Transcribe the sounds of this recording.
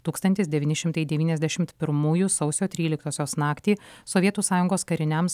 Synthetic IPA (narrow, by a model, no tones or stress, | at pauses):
t̪uːkst̪ɐnʲt̪ʲɪsd̪ʲɛʋʲiːnʲɪʃʲɪmt̪ɐɪd̪ʲɛʋʲiːnʲɛzʲd̪ʲæʃʲɪmt̪pʲɪɾmuːjusɒʊsʲoːt̪ʲɾʲiːlʲɪkt̪oːsʲoːsnɑːkt̪ʲiːsɔʋʲiɛt̪uːsɑːjʊŋɡoːskɐɾʲɪnʲɛms